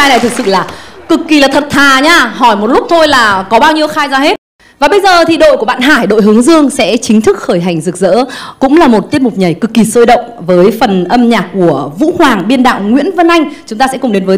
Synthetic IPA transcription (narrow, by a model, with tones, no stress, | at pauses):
aː˧jna˨˩jt̪ʰɨ˨˩k̚sɨ̰˧˨laː˨˩kɨ˨˩kːi˨˩laː˨˩t̪ʰə˨˩t̚t̪ʰaː˨˩ɲaː˧ɦɔ˧˩jmo˨˩t̚lʊ˦˥k͡p̚t̪ʰo˧jlaː˨˩kɔ˨˦ɓaː˧wɲi˧əwxaː˧jzaː˧ɦe˦˥t̚ | vaː˨˩ɓə˧jzəː˨˩t̪ʰi˨˩ɗo̰˧˨jku˧˩ɓa̰ː˧˨nɦaː˧˩jɗo̰˧˨jɦɨ˨˦əŋzɨ˧əŋsɛ̰˧˥t͡ɕï˨˦ŋ̟t̪ʰɨ˦˥k̚xəː˧˩jɦa˨˩jŋ̟zɨ˨˩k̚zə̰ː˧˥kʊ̰˧˥ŋ͡mlaː˨˩mo˨˩t̚t̪i˦˥ət̚mʊ˨˩k͡p̚ɲə˨˩jkɨ˨˩kːi˨˩soː˧jɗə̰˧˨wŋ͡mvəː˨˦jfə˨˩nʔə˧mɲaː˨˩kku˧˩əvṵ˧˥hwaː˨˩ŋɓi˧ənɗa̰ː˧˨wŋwḭ˧˥ənvə˧nʔa˧jŋ̟t͡ɕʊ˨˦ŋ͡mt̪aː˧sɛ̰˧˥kʊ˨˩ŋ͡mɗe˨˦nvəː˨˦